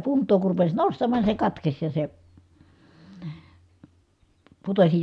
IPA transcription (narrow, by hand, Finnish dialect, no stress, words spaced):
puntˑoː kur rupes nostɑmːɑˑn ni se kɑtkes jɑ se putosi